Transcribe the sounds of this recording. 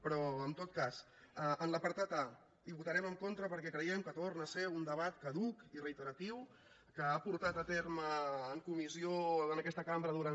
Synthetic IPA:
pɾɔəmt̪ot̪̚kas | əənləpəɾt̪at̪a | iβut̪əɾɛməŋkont̪ɾəpəɾkɛkɾəjɛmkət̪ornəseund̪əβat̪kəðukirəit̪əɾət̪iw | kəapuɾt̪at̪ət̪eɾməːŋkumizioənəkɛst̪əkambɾəðuɾan

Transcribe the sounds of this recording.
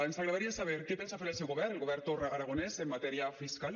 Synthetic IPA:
ensaɣɾeðaɾiasaβ̞eɾkepensafeɾelsewɣoβɛɾelɣoβ̞ɛɾt̪oraaɾaɣ̞onesemːat̪ɛɾiafiskal

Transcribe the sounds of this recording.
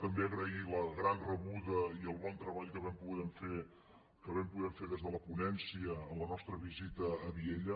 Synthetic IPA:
t̪əmbeəɣɾəiləɣɾanrəβuðəiəlˠβɔnt̪ɾəβaʎkəβɛmpuɣɛmfe | kəβɛmpuðɛmfeðezðələpunɛnsiəːlənɔst̪ɾəβizit̪əːβieʎə

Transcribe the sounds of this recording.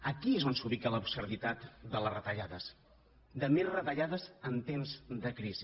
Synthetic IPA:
əkiezonsuβikələubsəɾðit̪at̪d̪ələrət̪əʎaðəs | d̪əmilˠrət̪əʎaðəzənt̪emzd̪əkɾizi

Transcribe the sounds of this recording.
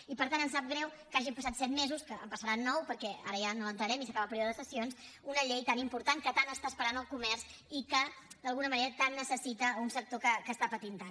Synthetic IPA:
ipəɾt̪anənsap̚ɡɾɛwkaʒimpəs̬at̪sɛt̪mezuskəə̰mpəsəɾanːɔwpəɾkɛaɾəjanolənt̪ɾəɾɛmisəkaβəpɾjoðəðəsəsions | unəʎejt̪animpuɾt̪aŋkət̪anəst̪aːspəɾanəlˠkumɛɾs | ikəd̪əlˠɣunəməneɾət̪anːəsəsit̪əunsək̚t̪okəkəst̪apət̪int̪an

